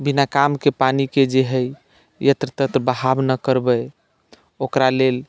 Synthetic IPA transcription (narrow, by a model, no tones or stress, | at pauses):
binakamkepaniked͡ʒeɦə | jət̪ɾət̪ət̪ɾbəɦabnəkəɾbə | okɾalel